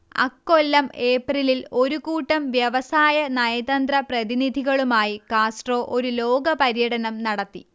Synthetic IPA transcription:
ɐ̰kːolːɐme̞ːprililo̞ɾukuːʈːɐmʋjɐʋɐsaːjɐnɐjɐd̪ɐnd̪rɐprɐðinid̪ʱiɣɐɭumaːjikaːsʈro̞ːʔo̞ɾulo̞ːɡɐpɐɾjɐɽɐnɐmnɐɽɐt̪ːi

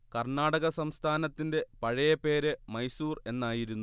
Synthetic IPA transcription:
kɐrɳaːɽɐɣɐsɐmst̪ʰaːnɐt̪ːinde̞pɐɻɐjɐpe̞ːɾɨmɐjsuːre̞nːaːjiɾunːu

